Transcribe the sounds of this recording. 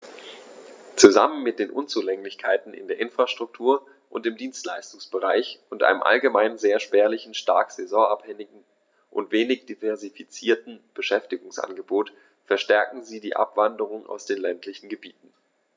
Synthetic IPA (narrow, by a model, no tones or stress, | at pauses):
t͡suza̰mənmɪt̚d̥eːnʔʊnt͡suːlɛŋlɪçkʰaɪtn̩ɪ̰ndeːɐʔɪnfʁ̥aʃtʁ̥ʊk̚tʰuːɐ | ʔʊntɪmdiːnstlaɪstʊŋsb̥əʁaɪçʔʊntʔa̰ɪnəmʔa̰lɡəmaɪnzeːɐʃpɛːɐlɪçn̩ʃta̰ɐkz̥ɛzɔ̃ɐaphɛŋɪɡŋ̩ | ʔʊ̰ntv̥eːnɪçd̥ivɛɐzifit͡siːɐtn̩b̥əʃɛftɪɡʊŋsʔa̰nɡəboːt | fɛɐʃtɛɐkŋ̩ziːdiːʔa̰pv̥andəʁ̞ʊŋʔa̰ʊsd̥eːnlɛntʰlɪçn̩ɡəbiːtn̩